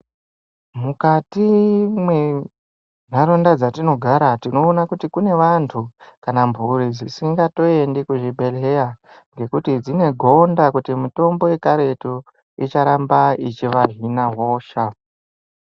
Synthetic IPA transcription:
mukatimwe | n̤aɾondad͡zatino̞ɡʱaɾatino̞ːnakutikune̞ʋantʰukanambʱuɾid͡zisiŋɡato̞e̞ndikuʐibʱe̞leja | ŋɡe̞kutid͡zine̞ɡʱo̞ndakutimuto̞mbo̞je̞kaɾe̞to | it͡ʃaɾambait͡ʃiʋaɦinaɦoːʃa

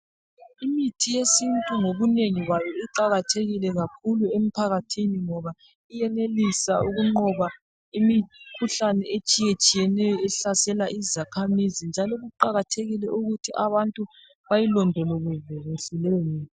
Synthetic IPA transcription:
imitʰijesintʼuŋoβuneŋiɣwajɔiǃaɣatʰeɣilɛɣakʰuluem̩pʰaɣatʰiniŋɔβa | ijɛnelisauɣuŋ͡ǃɔβa | imikʰuɬanɛʔet͡ʃʼijet͡ʃʼijɛnɛjɔɛɬasɛlaʔizakʰamizind͡ʒʱalɔɣuǃaɣatʰeɣilɛʔuɣutʰiʔaβantʼu | βajilɔndʱɛloɣuveɣisilɛjɔmiːi

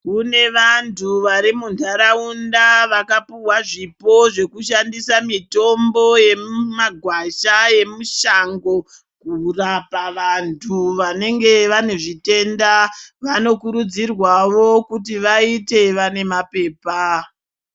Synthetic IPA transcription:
kune̞ʋantʰuʋaɾimundʱaɾaundaʋakapuwaʐipo̞ʐe̞kuʃandisamito̞mbo̞je̞maɡʱwaʃaje̞muʃaŋɡo̞ | kurapaʋantʰuʋane̞ŋɡe̞ʋaneʐite̞ndaʋano̞kuɾud͡zirwaʋokut̬iʋaite̞ʋane̞mape̞ːpa

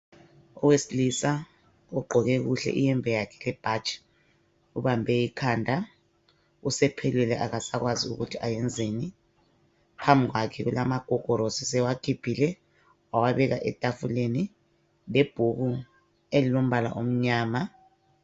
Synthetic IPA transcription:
ɔwesilisa | uɡ͡ǃʱɔk̬ɛk̬uɬɛ̰ʔijɛmbʱɛjakʰɛ̥lɛb̥ʱat͡ʃʰʼ | uɓambʱɛikʰaːndʱa | usɛpʰɛlwɛlɛʔakasak̬waziuk̬utʰiʔajɛnd͡zʱeni | pʰambʱik̬wakʰɛkulamaɡ̥ʱɔɡ̥ʱɔɾosisɛwakʰib̥ʰʱilɛ | wawaɓɛk̬aʔɛtʼafuleni | leb̥ʱuku | elilom̩ɓala̰ʔom̩ɲaːma

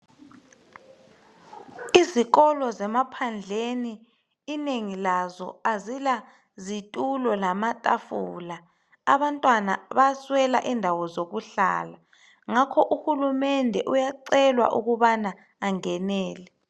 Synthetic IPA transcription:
iziɣɔlɔzɛmapʰand͡ɮʱeniː | neŋilazɔ̰azila | zitʼulɔlamatʼafuːlaː | βantʼwanaβaswɛla̰ʔindʱawɔzoɣuɬa̰ːla | ŋakʰɔʔuhulumɛndʱɛʔujaǀɛlwa̰ʔuɣuβana | aŋɛnɛːlɛ

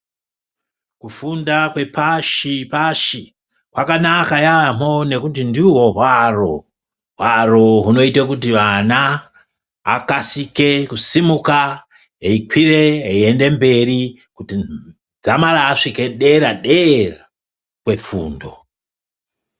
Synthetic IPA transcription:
kufundakwe̞paʃipaʃi | kwakanakajam̥o̞ne̞kutindiwo̞ɦwaro | ɦwaroɦuno̞itakutiʋana̰ː | kasike̞kusimuka | ɦeikwiɾe̞eiende̞mbe̞ɾi | kuti | d͡zamaɾaːʂikeɗe̞ɾaɗe̞ra | kwe̞p͡fṵːndo̞̰

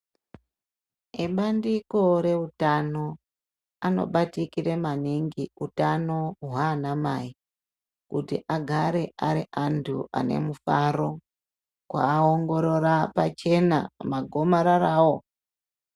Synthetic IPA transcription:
eɓandiko̞ɾe̞utano̞ | ano̞̰ɓatikire̞maniŋɡiutano̞ɦwaːnamai | kutḭʔaɡʱaɾe̞ʔaɾiʔantʰṵʔa̰ne̞̰mufaɾo̞ | kwa̰ːoŋɡo̞ɾo̞ɾapat͡ʃe̞na̰maɡʱo̞maɾaraːwo̞

